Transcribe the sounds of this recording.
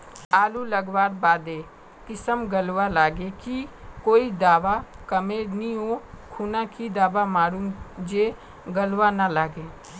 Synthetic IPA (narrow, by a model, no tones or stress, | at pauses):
aːluləɡʋaːɾbaːd̪eː | kɪsəmɡəlʋalaːɡekikoːid̪aːʋakəmeːɾnioːkʰuːnãkid̪aːʋamaːɽũŋd͡ʒeː | ɡəlʋanalaːɡeː